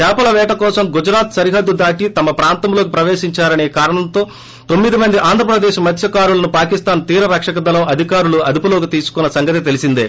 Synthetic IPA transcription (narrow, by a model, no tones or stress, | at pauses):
kaːpɐlɐʋɛːʈɐkɔːsɐmɡud͡ʒɾaːt̪sɐɾiɦɐd̪ːud̪aːʈit̪ɐmɐpɾaːnt̪ɐmlo̞ːk̬ipɾɐʋeːʃiɲt͡ʃaːɾɐne̞ːkaːɾɐɳɐmt̪o̞ː | t̪o̞mːid̪imɐnd̪iʔaːnd̪ʱɾɐpɾɐd̪eːʃmɐt̪ʰjɐkaːɾulɐnupaːkist̪aːnt̪iːɾɐɾɐkʂɐkɐd̪ɐlɐmɐd̪ʱikaːɾuluɐd̪ipulo̞ːkit̪iːsu̥kunːɐsɐŋɡɐt̪it̪e̞lisind̪eː